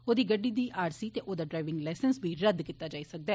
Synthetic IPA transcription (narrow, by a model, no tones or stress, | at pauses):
oːd̪iːɡəɖːiːd̪iːʔaːɾsiːt̪eːʔoːd̪aːɖɾaːɪʋɪ̃ŋɡlaːsənsbiːɾəd̪kɪt̪ːaːd͡ʒaːiːsək̚d̪aː